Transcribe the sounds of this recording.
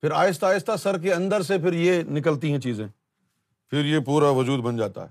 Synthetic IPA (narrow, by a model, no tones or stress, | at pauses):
pɪɾaːjɪst̪aːjɪst̪asɐɾk̬eɐ̃nd̪əɾsepɪɾjenɪk̬əlt̪̬iɦɛ̃t͡ʃiːzẽː | fʰɪɾjepuːɾaʋɐd͡ʒuːd̪bɐ̃nd͡ʒaːt̪a̰ɦɛː